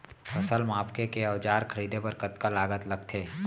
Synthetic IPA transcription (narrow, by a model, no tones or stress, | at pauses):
hɐsəlmaːpkekeɐʋd͡ʒaːɾkʰɐɾiːd̪ʱebəɾkət̪kalaːɡət̪lɐɡt̪ʰeː